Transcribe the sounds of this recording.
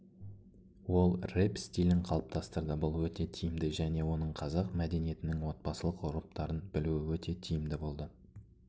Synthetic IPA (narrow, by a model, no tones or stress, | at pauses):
wo̞lˠrepst̪ilʲɪɴqʰɑlˠəp̚t̪ʰɑst̪əɾd̪əbʊlˠwɵt̪e̞t̪ʰijɪmd̪ɪʒæne̞wo̞nəɴqʰɑzɑqmæd̪e̞nije̞t̪ɪnɪŋwo̞t̪̚pɑsəlˠəqʊɾəp̚t̪ɑɾənbɪluɪwɵt̪e̞t̪ʰijɪmd̪ɪbo̞lˠd̪ə